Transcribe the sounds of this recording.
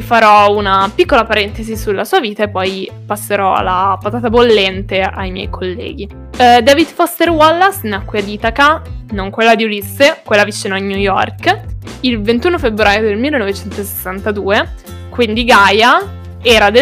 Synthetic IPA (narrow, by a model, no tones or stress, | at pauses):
faɾɔunapikːolapaɾɛnt̪ezisulːasuaviːt̪aepːɔj | pasːeɾɔa̰lːapat̪aːt̪abolːɛnt̪eʔajmjɛ̰jkʰolːɛ̰ːɡ̟i | d̪avid̪fɔst̪erwɔlːasnakːwad̪iːt̪akanoŋkwelːad̪iulisːekwelːavit͡ʃːiːnoiɲujɔ̰rkilvent̪uːnofebɾaːjod̪elmilːenovet͡ʃɛnt̪ose̥sːant̪ad̪uːe | kwind̪iɡaːja | ɛːɾad̪e